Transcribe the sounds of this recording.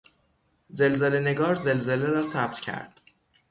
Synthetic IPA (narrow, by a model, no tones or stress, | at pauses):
ze̞lzelene̞ɡɒːɾze̞lze̞leɾɒːsæb̚t̪cʰæ̰ɾd̪̥̚